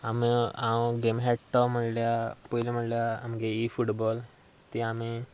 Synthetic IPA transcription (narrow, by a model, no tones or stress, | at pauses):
amiãwɡemɦeʈʈɔm̤əɽljapɔilem̤əʈljaamɡeifuʈbɔl | t̪iami